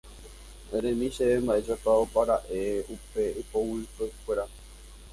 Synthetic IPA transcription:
ẽɾẽmĩʃeembaʔeʒapaopaɾaʔeupe̞ipowɨkekʷeɾa

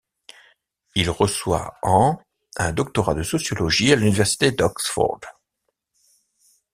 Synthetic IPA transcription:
ilʁəswa̰ɑ̃ | ɛ̃d̪ɔk̚t̪ɔʁad̪əsɔsjɔlɔʒialynivɛʁsi̥t̪ed̪ɔksfɔ̰ʁd̪̥

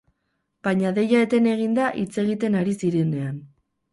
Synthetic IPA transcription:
b̥aɲaðe̞jaet̪e̞ne̞ɣ̞ind̪aʔit͡se̞ɣit̪e̞naɾisiɾe̞ne̞an

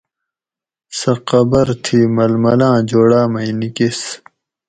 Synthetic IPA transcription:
sɐqɐbɐɾt̪ʰiːmɐlmɐlãːd͡ʑoːɽaːmɐinikis

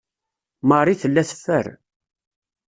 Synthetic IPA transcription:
mərˤiθəlːæθə̥fːə̰ɾ

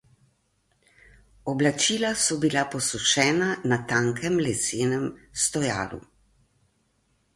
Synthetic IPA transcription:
ɔblat͡ʃiːlasɔbilapɔsuʃɛːnanat̪aŋkʰɛmlɛseːnɛmst̪ɔja̰ːlṵ

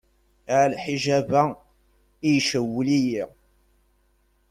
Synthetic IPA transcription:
ʕlħiʒævæ | ijʃəwːliji

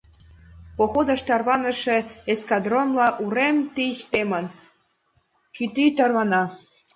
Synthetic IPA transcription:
poxod̪ɤ̆ʃt̪ɑrβɑnə̆ʃĕeskɑd̪ronlɑʔuɾemt̪iɕt̪emə̆n | kyt̪it̪ɑrβɑnɑ

